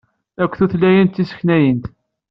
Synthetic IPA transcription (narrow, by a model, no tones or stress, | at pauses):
ækʷːθuθlːæjənt̪ːisə̥çnæjənt̪